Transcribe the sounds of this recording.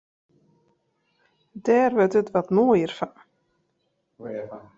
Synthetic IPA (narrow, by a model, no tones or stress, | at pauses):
dɛːrʋøtətʋɔtnoəjərfan